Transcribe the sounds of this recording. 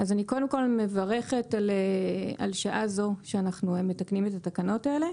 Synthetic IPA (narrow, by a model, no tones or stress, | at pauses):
azaniko̞lde̞mko̞lme̞vaʁe̞χe̞talea̰lʃaʔazo̞ʃeanaχnueme̞taknimetatakano̞tae̞le̞